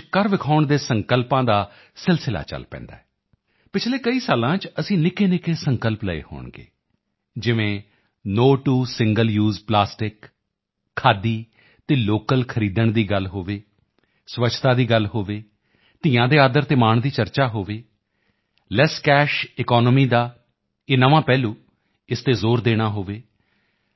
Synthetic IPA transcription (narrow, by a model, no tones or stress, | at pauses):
kəɾʋɪkʰaːʊɳd̪eːsəŋkəlpãːd̪aː | sɪlsɪla̰ːt͡ʃə̰lpɛ̰̃ːnd̪a̰ːɛː | pɪt͡ʃʰleːkəiːsaːlãːt͡ʃəsĩːnɪkeːnɪkeːsəŋkəlpləḛːho̰ːɳɡḛː | d͡ʒɪʋẽː | noːʈuːsɪ̃ŋɡəljuːzplaːsʈɪk | kʰːaːd̪iː | t̪eːloːkəlkʰəɾiːd̪əɳd̪iːɡəlɦoːʋeː | sʋət͡ʃʰt̪ãːd̪iːɡəlɦoːʋeː | t̪ɪːjãːd̪eːaːd̪əɾt̪eːmaːɳd̪iːt͡ʃəɾt͡ʃaːɦoːʋeː | lɛskɛːʃɪkɔːnmiːd̪aː | eːnəʋãːpɛːlũː | ɪst̪eːzoːɾd̪eːɽ̃aːɦoːʋeː